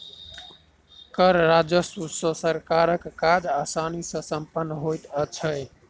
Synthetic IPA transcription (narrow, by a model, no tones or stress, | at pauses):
kəɾɾad͡ʒəsusʌ̃səɾkaɾəkːad͡ʒasanisʌ̃səmpənːɦojt̪ət͡ʃʰəj